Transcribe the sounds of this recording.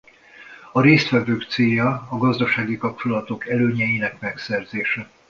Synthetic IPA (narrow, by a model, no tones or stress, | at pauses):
ɒɾeːst̪fɛvøːkt̪seːjɒːɡɒzd̪ɒʃaːɡikɒp̚t͡ʃolɒt̪o̞kɛløːɲɛjinɛkmɛksɛrzeːʃɛ